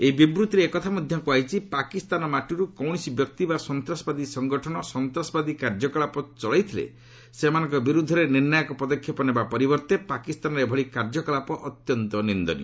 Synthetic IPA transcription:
eibibɾut̪iɾeːkɔt̪ʰamɔd̪ʱjɔŋkuajt͡ʃʰipakist̪anɔmaʈuɾukɔwɽ̃isibjɔk̚t̪ibasɔnt̪ɾasɔbad̪isɔŋɡɔʈʰɔñɔsɔnt̪ɾasɔbad̪ikaɾd͡ʒɔkɔɭapɔt͡ʃɔɭajt̪ʰilḛ | semanɔŋkɔbiɾud̪ʱːɔɾeniɾnajɔkɔpɔd̪ɔkʰːjɔpɔnebapɔɾibɔɾt̪epakist̪anɔɾebʱɔɭikaɾd͡ʒɔkɔlapɔʔɔt̪jɔnt̪ɔnind̪ɔ̰nḭ

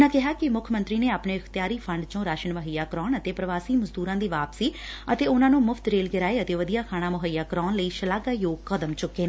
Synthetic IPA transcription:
nãːkɪɦaːkɪmʊkʰəmə̃nt̪ɾiːneːaːpɳeːəkʰt̪jaːɾiːpʰəɳɖt͡ʃõːɾaːʃənʋəɦəjaːkəɾɔːnət̪eːpɾəʋaːsiːməzd̪uːɾãːd̪iːʋaːpsiːət̪eːʊnãːnũːmʊfʰt̪ɾeːlɡɪɾaːeːət̪eːʋəd̪ijaːkʰaːɽ̃ãːmʊɦəjaːkəɾɔːnləiːʃəlaːɡaːjoːɡkəd̪əmt͡ʃʊkːeː

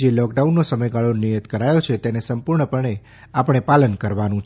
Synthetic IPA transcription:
d͡ʒelɔkɖaunːosəməjɡaɭonijət̪kəɾajot͡ʃʰet̪ɛnesəmpuɾɳəpəɳe | apəɳ̃epalənkəɾʋanũt͡ʃʰ

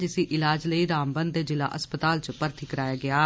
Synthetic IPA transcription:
d͡ʒɪsĩːʔɪlaːd͡ʒləiːɾaːmbənd̪d̪eːd͡ʒɪla̰ːʔəspət̪aːlt͡ʃəpəɾt̪ʰiːkəɾaːjaːɡɪaː

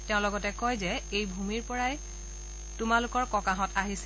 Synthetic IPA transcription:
teʊ̃lɔɡɔtɛkɔjzɛejbʱumiɹpɔɹaj | tʊmalʊkɔɹkɔkaɦɔtaɦis

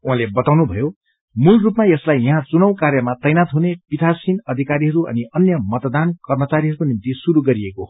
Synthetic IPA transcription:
uɦãlebʌt̪awnubʱʌ̰jo | mulrupmaeslajʌ̃ɦãt͡sunʌw̃kaɾjʌmat̪ʌjnat̪ɦunepit̪ʰasinʌd̪ʱikaɾiɦʌɾuʔʌ̰niʔʌnjʌmʌt̪d̪ankʌrmʌt͡saɾiɦʌɾukonimt̪isuɾuɡʌɾieko

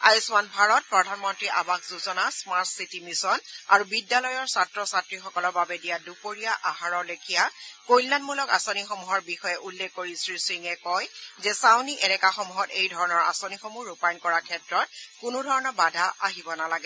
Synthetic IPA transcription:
ajusmanbʱaɹɔt̚pɹɔdʱanmɔntɹiʔa̰bakzuzɔnasmaɹtsitimisɔnaɹubidːalɔjɔɹsatɹɔsatɹixɔkɔlɔɹbabɛdijadupoɹijaʔaɦaɹɔɹlekʰijakojlːanmulɔka̰sonixomuɦɔɹbixɔjɛʔulːekːoɹisɹisɹiŋɛkɔjzɛsawniʔɛlɛkaxɔmuɦɔtejdʱɔɹɔnɔɹa̰sonixomuɹupajnkɔɹakʰɛtɹɔt̚kʊnʊdʱɔɹɔnɔbadʱaʔaɦibɔnalaɡɛ

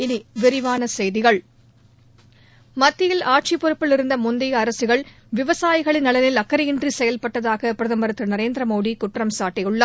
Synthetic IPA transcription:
ɪniʋɪɾɪʋaːnɐsɛjðɪɣɐɭ | mɐt̪ːɪjɪlaːʈ̚t͡ʃipːɔɾɪpːɪlɪɾɯnd̪ɐmʊnd̪ɪjɐɐɾɐsɯɣɐɭ | ʋɪʋɐsaːjɪɣɐɭɪnɐlɐnɪlɐkːɐɾɪjɪndrisɛjɐlpɐʈːɐðaːɣɐpɪɾɐðɐmbɐɾɐt̪ːɯlnɐɾeːnd̪ɾɐmoːɽikʊʈrɐmsaːʈːɪjɯɭːɐ

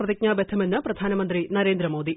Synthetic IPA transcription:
rɐðik̚ɲaːbed̪ʰɐmenːɨprɐd̪ʱaːnɐmɐnd̪rinɐɾeːnd̪ɾɐmoːd̪i

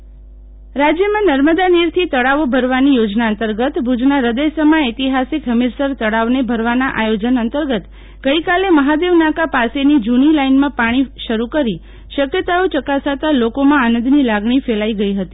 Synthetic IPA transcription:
ɾad͡ʒjəmãnəɾməd̪aniɾt̪ʰit̪əɽaʋobʱəɾʋanijod͡ʒnaənt̪əɾɡət̪bʱud͡ʒnaɾəd̪əjsəmaet̪iɦasikɦəmiɾsəɾt̪əɽaʋnebʱəɾʋanaʔajod͡ʒənənt̪əɾɡət̪ | ɡəikaleməɦad̪eʋnakapasenid͡ʒunilainmãpaɽ̃iʃəɾukəɾi | ʃəkjət̪aot͡ʃəkasat̪alokomãanə̃nd̪nilaɡɳifelaiɡəiɦət̪i

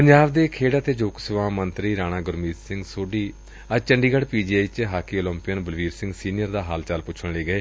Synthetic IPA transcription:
pəɲd͡ʒaːbd̪eːkʰeːɽaːt̪eːd͡ʒoːksɪʋãːmənt̪ɾiːɾãːñãːɡʊɾmiːt̪sɪ̃ŋɡsoːɖiː | ət͡ʃəɳɖiːɡəɽpiːd͡ʒiaːit͡ʃɦaːkiːoːlə̃mpiənbəlʋiːɾsɪ̃ŋɡsiːnijəɾd̪aːɦaːlt͡ʃalpʊt͡ʃʰəɳleːɡəeː

